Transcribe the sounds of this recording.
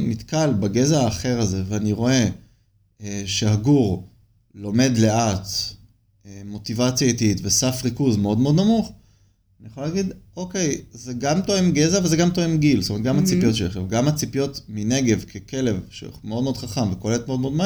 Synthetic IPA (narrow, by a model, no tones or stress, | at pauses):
mit̪kalbaɡe̞zaaːχe̞ʁaze̞veaniʁo̞e̞ | eʃehaɡuʁ | lo̞me̞d̪le̞at̪ | emo̞t̪ivat͡sjaet̪iitvesafʁikuzmeo̞d̪mednamuχ | anijeχolːaɡid̪o̞ke̞jzeɡamt̪o̞emɡezavezeɡamt̪o̞emɡilstomet̪̚ɡamhat͡sipijo̞tʃeleχevɡamhat͡sipijo̞t̪mine̞ɡe̞vkʰeke̞le̞vʃḛmeo̞d̪me̞odχaχamvekoleetmeod̚meo̞d̪ma